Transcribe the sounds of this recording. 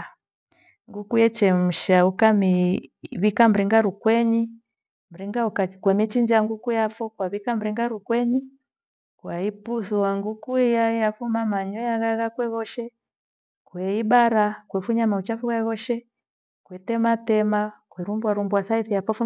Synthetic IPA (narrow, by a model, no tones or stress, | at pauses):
ŋɡukujɛt͡ʃɛm̩ʃaukamiβikam̩ɾiŋɡaɾukwɛɲi | m̩ɾiŋɡaukakwɛmit͡ʃiɲd͡ʒaŋɡukujafɔkwaβikam̩ɾiŋɡaɾukwɛɲi | kwaipuθuwaŋɡukuijaijafumamaɲɔjaɣaɣakwɛɣɔʃɛ | kwɛiɓaɾakwɛfuɲamaut͡ʃafuɣaɣɔʃɛ | kwɛtɛmatɛmakwɛɾumbwaɾumbwasaiθijafɔfu